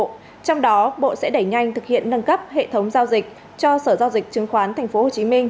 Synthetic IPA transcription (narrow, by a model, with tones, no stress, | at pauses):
t͡ɕɔ˧wŋ͡mɗɔ˨˦ɓo̰˧˨sɛ̰˧˥ɗə˧˩jŋa˧jŋ̟t̪ʰɨ˨˩k̚hḭ˧˨ənːə˧nkə˦˥p̚hḛ˧˨t̪ʰə˨˦wŋ͡mzaː˧wzï˨˩k̚ | t͡ɕɔ˧səː˧˩zaː˧wzï˨˩k̚t͡ɕɨ˨˦ŋxwaː˨˦nt̪ʰa˨˩ŋ̟fo˨˦ho˨˩t͡ɕi˨˦mï˧ŋ̟